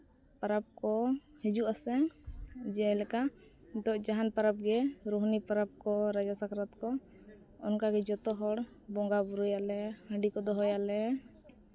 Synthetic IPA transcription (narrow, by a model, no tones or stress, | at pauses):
paɾap̚kɔhɛd͡ʒuʔasɛŋd͡ʒɛɛlɛkad̪ɔʔd͡ʒaɦanpaɾap̚ɡɛɾuɦnipaɾap̚kɔɾad͡ʒasakɾɔt̪kɔ | ɔnkaɡɛd͡ʒɔt̪ɔɦɔɽ | bɔŋɡabuɾujalɛhə̃ɳɖikɔd̪ɔɦɔjalɛ